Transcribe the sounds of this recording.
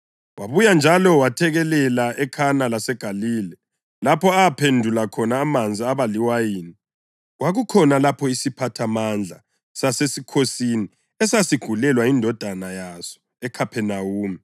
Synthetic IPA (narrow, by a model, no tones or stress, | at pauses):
waβujand͡ʒʱalɔwatʰɛɣɛlɛlaʔɛkʰanalasɛɡ̥ʱaliːlɛ | lapʰɔaapʰendʱulakʰɔnaːmand͡zʱiaβaliwajiːni | waɣukʰɔnalapʰɔisipʰatʰamand͡ɮʱa | sasesikʰosini | ɛsasiɡ̥ʱulɛlwaindʱɔd̥ʱanajasɔ̥ | ɛkʰapʰɛnawuːmi